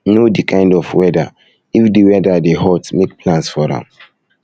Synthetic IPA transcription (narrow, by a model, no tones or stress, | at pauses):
nodikʰãɪ̃ndɔfwɛda̰ | ifdiwɛdadehɔtmek̚plãnsfɔdã̰m